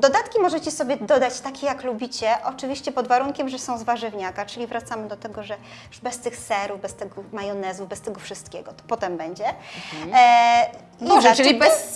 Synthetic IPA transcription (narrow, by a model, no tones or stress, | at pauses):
d̪ɔd̪at̪kʲimɔʐɛt͡ɕɛsɔbʲjɛd̪ɔd̪at͡ɕt̪akʲejaklubʲit͡ɕɛʔɔt͡ʂɘvʲiɕt͡ɕɛpɔd̪vaɾuŋkʲɛmʐɛsɔ̃w̃zvaʐɘvɲakat͡ʂɘlʲivɾat̪samɘd̪ɔt̪ɛɡɔʐɛ | bɛst̪ɘxsɛɾuvbɛst̪ɛɡɔmajɔnɛzuvbɛst̪ɛɡɔfʂɘst̪kʲɛɡɔt̪ɔ̥pɔt̪ɛmbɛɲd͡ʑɛ | mɔʐɛibɛs